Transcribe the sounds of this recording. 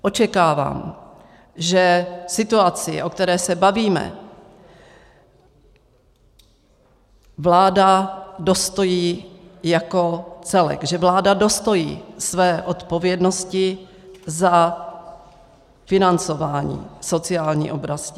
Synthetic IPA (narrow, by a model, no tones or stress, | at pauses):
ʔo̞t͡ʃɛkaːva̰ːm | ʒɛsɪt̪uat͡sɪ̰ʔo̞kt̪ɛɾɛːsɛbaviːmɛ̰ | vlaːdado̞st̪ojiːjako̞t͡sɛlɛ̰kʒɛvlaːdado̞st̪o̞jḭːsvɛːʔot̪po̞vjɛdnoscɪ | za | fɪnant͡so̞vaːɲḭːso̞t͡sɪaːlɲḭːʔo̞bɾascɪ